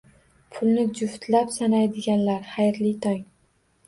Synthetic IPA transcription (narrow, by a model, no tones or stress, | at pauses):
pʰʊlˠnɪd͡ʒʊht̪lapsanajd̪ɪɡʲanlaɾχajɾlit̪ʰaŋ